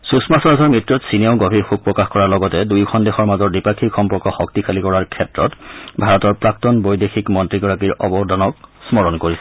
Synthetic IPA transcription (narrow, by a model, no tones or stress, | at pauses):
susmasɔɹasɔɹmɹitɹɔtsineʊɡɔbʱiɹxuk̚pɹɔkaxkɔɹaɹlɔɡɔtɛdujkʰɔndexɔɹmazɔɹdipakʰixɔmpɔɹkɔxɔk̚tikʰalikɔɹaɹkʰɛtɹɔtbʱaɹɔtɔɹpɹak̚tɔnbojdexʰikmɔntɹiɡɔɹakiɹɔbɔdʱanɔk̚smɔɹɔnkoɹisɛ